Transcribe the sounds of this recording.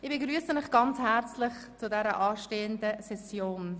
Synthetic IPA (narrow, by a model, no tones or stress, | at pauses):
ɪbeɡɾyːəsəmɪχɡ̥ɑnt͡shɛɾt͡slɪχt͡sudɛɾəʔɑːʃteːəndəsɛsjoːn